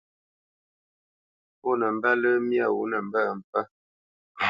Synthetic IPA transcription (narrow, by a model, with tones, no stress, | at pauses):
pɔ˦nə˨m˦ba˦lə˦mja˦˨wu˨˦nə˨m̩˦ba˦˨m̩˨pa˦